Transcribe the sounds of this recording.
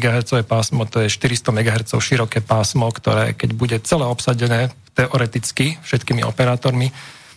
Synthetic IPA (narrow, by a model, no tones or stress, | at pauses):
ɡaɦɛɾt͡sɔʋɛːpaːsmɔt̪ɔjɛʃt̪iɾist̪ɔmɛɡaɦɛɾt͡sɔʊʃiɾɔkɛːpaːsmɔkt̪ɔɾɛ̰ːkɛɟbuɟɛt͡sɛlɛːɔpsaɟɛnɛːt̪ɛʔɔɾɛt̪it͡skifʃɛt̪kiːmiɔ̰pɛɾaːt̪ɔɾmi